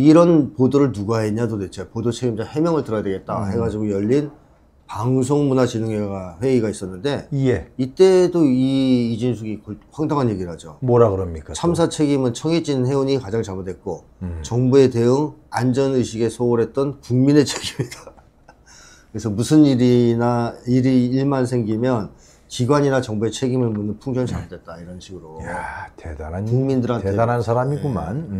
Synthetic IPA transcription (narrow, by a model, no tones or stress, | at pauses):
iɾʌnpodoɾɯɭnuɡaeɲadode̞t͡ɕʰepodot͡ɕʰe̞ɡimd͡ʑohe̞mjʌŋɯɭtɯɾʌjadweɡe̞t̚t͈a̰ɦe̞ɡad͡ʑiɡojʌʎːin | paŋs̬ʰoŋmunat͡ɕinɯŋeɡaɸwe̞iɡais͈ʌnːɯnde̞jeit͈e̞doiid͡ʑinsʰuɡikʌɸwaŋdaŋɦanje̞ɡiɭɦad͡ʑomoɾaɡɯɾʌmɲik͈at͡ɕʰams̬ʰat͡ɕʰe̞ɡimɯnt͡ɕʰʌŋid͡ʑinɯnɦe̞uɲikad͡ʑaŋt͡ɕamɯdwet̚k͈o | t͡ɕʌŋbue̞te̞uŋand͡ʑʌnɯjɕʰiɡe̞sʰooɾɦe̞t̚t͈ʌnkuŋmine̞t͡ɕʰeɡimida | kkɯɾesʰʌmusʰɯniɾinaiɾiːɭmansʰe̞ŋɡimjʌn | kiɡwaɲinat͡ɕʌŋbue̞t͡ɕʰe̞ɡimɯɭmunːɯnpʰuŋd͡ʑʌnt͡ɕamɯdwe̞t̚t͈aiɾʌnɕʰiɡɯɾojatedanakuŋmindɯɾanʰedanansʰaɾamiɡuma̰n